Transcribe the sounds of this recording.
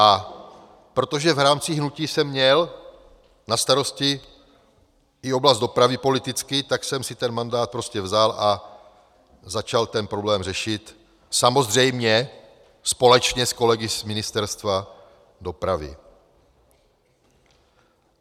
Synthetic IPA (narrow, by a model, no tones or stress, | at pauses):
ʔa | pɾo̞t̪o̞ʒɛvɾaːmt͡siɦnuciːsɛmːɲɛl | nast̪aɾo̞scɪ | ɪo̞blazd̪d̪o̞pɾavɪpo̞lɪt̪ɪt͡skɪt̪aksɛmsɪt̪ɛnmandaːt̪̚pɾo̞scɛvzala | zat͡ʃalt̪ɛnpɾo̞blɛːmrɛʃɪt̪ | samo̞zr̝ɛjmɲɛ | spo̞lɛt͡ʃɲɛsko̞lɛɡɪzmɪnɪst̪ɛɾst̪va | do̞pɾavɪ̰